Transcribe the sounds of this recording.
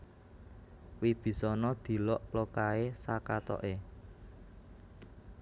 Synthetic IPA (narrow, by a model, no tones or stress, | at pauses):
wib̥i̤sɔnɔd̪̥i̤lɔʔlokaesakat̪ɔ̰ʔe